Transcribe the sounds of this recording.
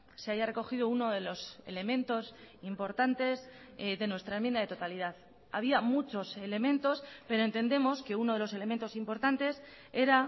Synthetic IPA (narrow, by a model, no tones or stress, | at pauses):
seaʝare̞ko̞xiðouno̞ðe̞lo̞se̞̰le̞mẽ̞nt̪o̞simpo̞ɾt̪ant̪e̞z | ðe̞nwe̞st̪ɾaemjend̪aðe̞t̪ot̪alið̞að | aβ̞iamut͡ʃo̞se̞le̞mẽ̞nt̪o̞spe̞ɾo̞ent̪e̞nd̪e̞mo̞ske̞uno̞ð̞e̞lo̞se̞leme̞nt̪o̞simpo̞ɾt̪ant̪e̞s | e̞ɾa